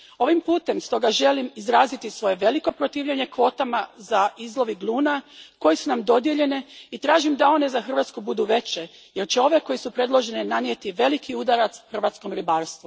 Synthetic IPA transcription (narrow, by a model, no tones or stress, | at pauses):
o̞ʋimpuːt̪e̞mst̪o̞ɡaʒe̞limizɾaːzit̪isʋo̞je̞ʋe̞liko̞pɾot̪iːʋʎeɲe̞kʋo̞ːt̪amazaizlˠo̞ʋiɡlˠuːnako̞jesunamd̪o̞d̪je̞ʎe̞neit̪ɾaːʒimd̪ao̞ne̞zaxr̩ʋaːt̪skubud̪uʋe̞t͡ɕe̞ | je̞ɾt͡ɕeo̞ʋe̞ko̞jisupɾe̞d̪lˠo̞ʒe̞nenanje̞t̪iʋe̞likʰiud̪aɾat̪sxr̩ʋaːt̪sko̞mɾibaːɾst̪ʋu